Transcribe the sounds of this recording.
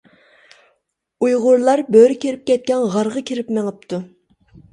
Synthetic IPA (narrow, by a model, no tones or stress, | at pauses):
ujʁʊɾlˠɑɾbøɾɪkʲʰeɾɪp̚kʲɛt̪̚kʲɛnʁɑɾʁɑkʲʰeɾɪpmeŋəp̚t̪ʰu